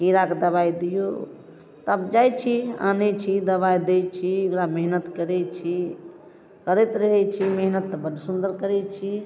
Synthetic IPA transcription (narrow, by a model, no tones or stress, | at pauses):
kiɾaked̪əβajd̪ijo̰ | t̪abd͡ʒajt͡ʃʰia̰net͡ʃʰid̪əβajd̪et͡ʃʰiʊkɾameɦnət̪kəɾɛt͡ʃʰi | kəɾet̪ɾəɦɛt͡ʃʰimeɦnət̪ːbəd̪ʱsund̪əɾkəɾɛt͡ʃʰi